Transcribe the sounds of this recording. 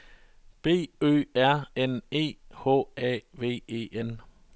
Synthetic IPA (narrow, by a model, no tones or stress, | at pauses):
b̥e̝̰ːø̰ːæɐ̰ene̝̰ːhɔ̰ːɛ̰ːʋe̝̰ːḛːʔen